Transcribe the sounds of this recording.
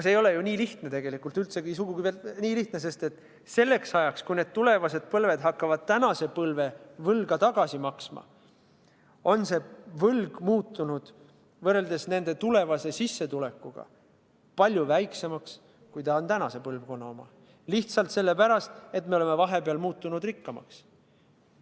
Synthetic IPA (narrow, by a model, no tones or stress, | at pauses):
seːjo̞le̞juniːliht̪ne̞t̪e̞ɡ̥e̞likːˑult̪ylt̪sekisuɡ̥uɡ̥ivelniːliht̪nese̞st̪e̞t̪ːˑ | se̞lːe̞ksɑjɑkskujne̞d̪̚t̪ule̞vɑse̞d̪̥̚pɤlve̞d̪̥ɦɑkːɑvɑd̪̥̚t̪ænɑse̞pɤlve̞vɤlɡ̥ɑt̪ɑɡ̥ɑsimɑksmɑ̰ | o̞nse̞vɤlɡ̥muːt̪ːˑunud̪̥ | vɤrːe̞ld̪e̞sne̞nd̪̥e̞t̪ule̞vɑse̞sisːe̞t̪ule̞kːˑuɡ̥ɑ̰ | pɑlʲjuvæjkse̞mɑks | kujt̪ɑont̪ænɑse̞pɤlvko̞nːɑo̞mɑ̰ | liht̪sɑlt̪se̞lːe̞pæɾɑst̪e̞t̪meoleme̞vɑɦe̞peɑlmuːt̪ːˑunud̪rikːɑmɑ̰ks